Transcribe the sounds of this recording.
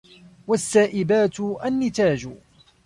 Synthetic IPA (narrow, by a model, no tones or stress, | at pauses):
wasːaːʔɪbaːt̪ʔanːɪt̪aːd͡ʒ